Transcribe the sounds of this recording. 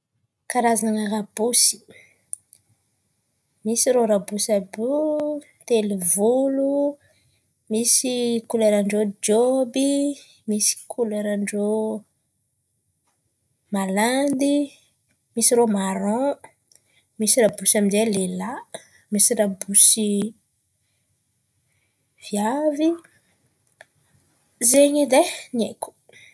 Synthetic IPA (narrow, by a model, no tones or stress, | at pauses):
kaɾazaŋaɾabusi̥ | misiɾoɾabusabu | t̪elivulu | misikuleɾaɳɖ͡ʐod͡ʒobi | misi̥kʰuleɾaɳɖ͡ʐo | maland̪i | misiɾomaɾɔ̃ | misiɾabusaminzelela | misiɾabusi | v̥javi | zeɲid̪eneku̥